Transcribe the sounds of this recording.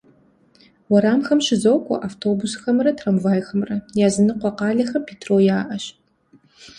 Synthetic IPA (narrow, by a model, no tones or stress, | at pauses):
wɐɾaːmxɐmʃɪzɐwkʷʼɐ̰ʔaftʰoːbusxɐmrɐtʰrɐmvaːjxɐmrɐjaːzɨnɨqʷɔqɑːɮɐxɐmpʰeːtʰroːjaːʔɐɕ